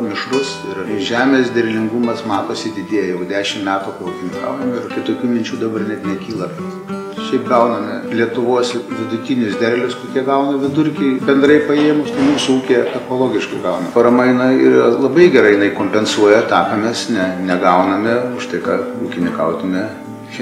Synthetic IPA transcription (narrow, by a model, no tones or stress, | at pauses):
mʲɪʃlʊs | ɪrʒʲæːmʲeːsd̪ʲɛrʲlʲɪŋɡumɐsmɑːt̪oːsʲɪd̪ʲɪd̪ʲeɛjɛjɛʊd̪ʲæːʃʲɪmmʲæːt̪upɐuːkʲɪnʲɪkɐ̰ʊnɐmʲɪɪrkʲɪt̪oːkʲuːmʲɪnʲt͡ʃʲuːd̪ɐbɐrnʲɛt̪nʲɛkʲiːlˠɐpt̪ | ʃʲɛɪpɡɐʊnɐmʲɪlʲiɛt̪ʊʋoɔsʋʲɪd̪ʊt̪ʲɪnʲʊsd̪ʲɛrʲlʲʊskoːkʲiɛɡɐʊnɐʋʲɪd̪ʊrʲkʲɛɪbʲɛnd̪ɾɐɪpɐeːjɛmʊʃt̪ɐɪmuːsʊuːkʲetɐpoːlˠoːɡʲɪʃkɐɪɡɐʊnɐpɐɾɐmɐɪnɐɪɪɾlˠɐbɐɪɡʲɛɾɐɪɪnɐɪkoːmʲpʲɛnsuɔjɛt̪ɑːpʲɛmʲesnʲɛnʲɛɡɐʊnɐmʲɪʊʃt̪ɐɪkɑuːkʲɪnʲɪkɐʊt̪ʲɪnʲɛ | ʃʲ